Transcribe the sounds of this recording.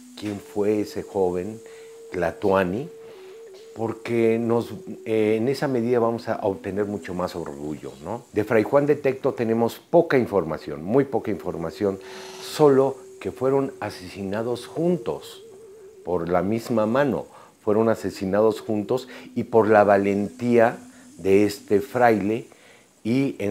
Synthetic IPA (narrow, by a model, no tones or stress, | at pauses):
kje̞ɱfwe̞ese̞xo̞β̞e̞n | klat̪wani | po̞ɾke̞no̞zeːne̞same̞ðiðaβamo̞sa̰ʔoβt̪e̞ne̞ɾmut͡ʃo̞masoɾɣuʝo̞̰no̞d̪e̞fɾajxwand̪e̞t̪e̞k̚t̪o̞t̪e̞nẽ̞mo̞spo̞kaiɱfo̞ɾmasjo̞̰nmujpo̞kaiɱfo̞ɾmasjo̞nso̞lo̞ke̞fwe̞ɾo̞nase̞sinað̞o̞sxunt̪o̞̰s | po̞ɾlamizmamãno̞̰ | fwe̞ɾo̞nase̞sinað̞o̞sxunt̪o̞sipo̞ɾlaβale̞nt̪ia | ðe̞est̪e̞fɾajle̞ | ie